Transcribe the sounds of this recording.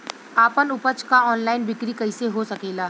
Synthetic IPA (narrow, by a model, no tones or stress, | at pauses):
aːpənʊpət͡ʃkaɔːnlaːɪnbɪkɾikɐiseɦosɐkeːlaː